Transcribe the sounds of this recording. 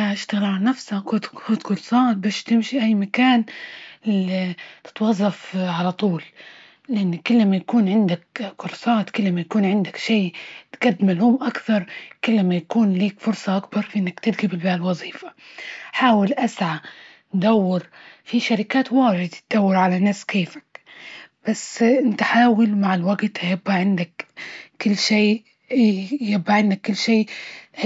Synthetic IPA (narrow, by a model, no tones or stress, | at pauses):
aʔɪʃt̪aɣlʕalnafsakʊt̪kʊt̪kʊlsˤɑːt̪̚baːʃt̪ɪmʃiʔajːmakaːn | it̪ɪ̥t̪wɑzˤːɑfʕalat̪ˤuːl | lɪʔɪnːkʊlːmajakuːnʕɪnd̪akkʊɾˤsˤɑːt̪kʊlːmajakuːnʕɪnd̪akʃiːt̪ɡ̥ad̪ːmɪlhʊmʔakθɑɾˤkɪlːmajakuːnliːkfʊɾsˤɑʔakbɑɾˤfʔɪnːakt̪ɪd̪ɡɪbɪlbaːlwɑzˤiːfḁħaːwɪlʔasʕa | d̪awːɪɾfiʃaɾɪkaːt̪waːʕɪd̪at̪̚d̪̥awːɪɾʕalanːaːskeːfḁkb̥asːɪnt̪aħaːwalmaʕɪlwaɡt̪hajabʔaʕɪnd̪akː | ɪlːʃeː | jabʔaʕɪnd̪akːʊlːʃeː